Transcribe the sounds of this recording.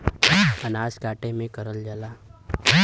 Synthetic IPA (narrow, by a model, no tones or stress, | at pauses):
ənaːskaːʈemẽkəɾəld͡ʒəlaː